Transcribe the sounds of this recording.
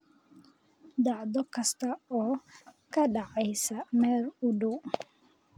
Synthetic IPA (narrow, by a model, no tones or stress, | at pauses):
d̪aʕd̪ɔkɐst̪aɔːkɐɗaʕɛjsɐmɛɾudu